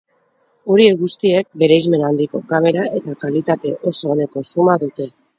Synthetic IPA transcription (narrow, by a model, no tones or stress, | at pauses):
o̞ɾie̞ɣust̪ie̞k̚be̞ɾejzme̞nand̪iko̞kame̞ɾae̞t̪akalit̪at̪e̞ʔo̞so̞ːne̞ko̞sumaðut̪e̞